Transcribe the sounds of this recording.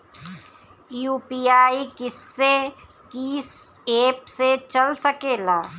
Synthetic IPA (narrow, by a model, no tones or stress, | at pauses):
juːpiːaːikɪsːe | kiseːpset͡ʃɐlsəkeːlaː